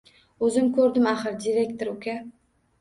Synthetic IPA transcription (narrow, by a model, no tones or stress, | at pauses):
ɵzɪmkʲʰɵɾd̪ɪmaχɨɾd̪ʲiɾʲekt̪oɾɵkʲæ